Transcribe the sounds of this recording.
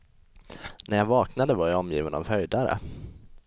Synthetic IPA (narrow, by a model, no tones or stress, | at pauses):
næɾjavɑːknad̪əvaɾjaɔmjiːvənɔ̰vhœjd̪aɾə̰